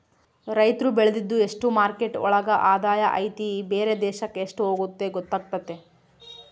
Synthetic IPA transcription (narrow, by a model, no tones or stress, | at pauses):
ɾɐjt̪ɾubeɭed̪id̪ːue̞ʂʈumaːɾke̞ʈɔ̰ɭɐɡɐʔaːd̪aːjɐʔɐjt̪ibeːɾe̞d̪ɛːʃɐkːeːʂʈuɦo̞ːɡut̪ːe̞ɡɔt̪ːaːɡ̚t̪ːɐt̪ːe̞